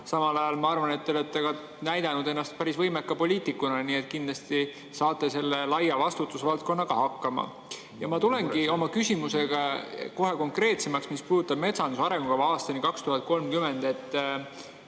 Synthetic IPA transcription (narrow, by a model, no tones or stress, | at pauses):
sɑmɑlɑjɑlmɑɑrvɑne̞t̪ːˑolet̪ːeɡ̥ɑ | næjd̪̥ɑnud̪e̞nːɑst̪̚pæɾisvɤjme̞kːɑpo̞lʲiːt̪ikːunɑnie̞t̪kind̪lɑst̪i | sɑːt̪ːˑe̞se̞lːelɑjɑvɑst̪ut̪ːˑusvɑlt̪̚ko̞nːɑkɑhɑkːɑmɑ̰ | jɑmɑt̪ule̞nɡio̞mɑkysʲimuse̞ɡ̥ɑko̞ɦe̞ko̞ŋkre̞ːt̪se̞mɑksmispuːd̪ut̪ːˑɑb̥̚me̞t̪sɑnd̪usɑɾe̞ŋɡ̥uɡ̥ɑvɑːst̪ɑnikɑkst̪uhɑt̪̚ˑko̞lmkyme̞nd̪̥e̞t̪ː